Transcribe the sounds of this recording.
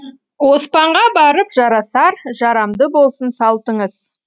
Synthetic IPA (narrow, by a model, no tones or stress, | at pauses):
wo̞spɑɴʁɑbɑɾəpʒ̥ɑɾɑsɑɾʒɑɾɑmd̪əbo̞lˠsənsɑlˠt̪əɴəz